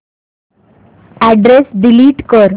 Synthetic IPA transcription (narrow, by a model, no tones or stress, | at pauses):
æɖɾesɖiliːʈkəɾ